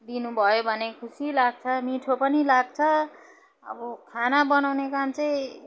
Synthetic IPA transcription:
d̪inubʱʌjobʱʌnekʰusilaɡ̚t͡sʰʌmiʈʰopʌnilaɡt͡sʰʌ | ʌ̰bʌkʰanabʌnawnekamt͡sʌĩ

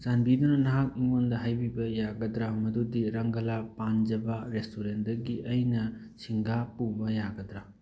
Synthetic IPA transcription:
z̥anbidunɐnɐɦak̚iŋondɐɦajbibɐjaɡɐdɾamɐdudiɾɐŋɡɐlapand͡ʒɐbaɾestuɾen̚dɐɡiʔɐjnɐ | siŋɡapubɐjaɡɐd̪ɾa

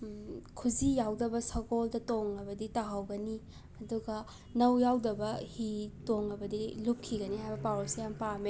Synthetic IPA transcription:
kʰuzijawdɐbɐsɐɡoldɐtoŋnɐbɐditaɦawɡɐni | ɐduɡɐ | nɐwjawdɐbɐhitoŋnɐbɐdilup̚kʰiɡɐniɦhajbɐpawɾosijampame

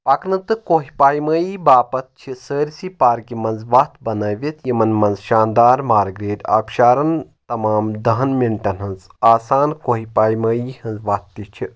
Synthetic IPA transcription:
pɐknɨt̪ɨkoɦipaːjməːibaːpɐt̪̚t͡ʃʰisəːɾʲsipaːɾkimɐnzʋat̪bɐnɐːʋʲit̪jimɐnmɐnzʃaːnd̪aːɾmaːɾɡɾeːd̪ʲa̰ːpʃaːɾɐnt̪ɐmaːmd̪ɐɦɐnmiɳʈɐnɦɐnz | aːsaːnkoɦipaːjməːjihɐnzʋaːt̪ːit͡ʃʰi

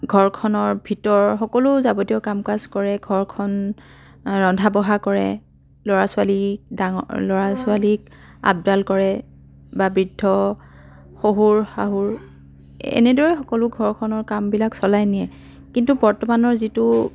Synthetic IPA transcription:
ɡʱɔɹkʰɔnɔɹbʱitɔɹxɔkɔlʊzabɔdiɔkamkazkɔɹɛɡʱɔɹkʰɔn | ɹɔndʱabɔɦakɔɹɛ̰ | lɔɹasʊalidaŋɔlɔɹasʊalik | a̰b̚dalkɔɹɛ | babɹidʱːɔ | xoɦuɹxaɦuɹ | ɛ̰nɛdɔɹɛxɔkɔlʊɡʱɔɹkʰɔnɔɹkambilaksɔlajniɛ | kintubɔɹtɔmanɔɹzitʊ

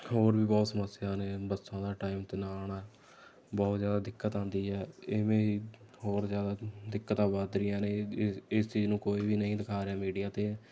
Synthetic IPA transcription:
ɦoːɾbiːbɔːt̪səməsːɪjaːneːbəsãːd̪aːʈaːiːmt̪eːnaːnɛː | bɔːt̪zjaːd̪aːd̪ɪkːət̪ãːnd̪iːɦɛːɪmẽːiː | hoːɾzjaːd̪aːd̪ɪkːət̪aːbaːd̪ɾɪjãːneːɪst͡ʃiːznũːkoːiːʋiːnəĩːd̪ɪkʰaːɾeaːmiːɖijaːt̪eː

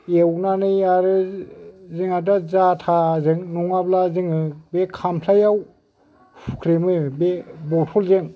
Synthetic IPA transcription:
ewnanɯjaɾɯ | zɯŋadazatʰazɯŋnuŋablazɯŋɯbekʰampʰlajaw | pʰukʰɾemɯbebɔtʰɔlzeŋ

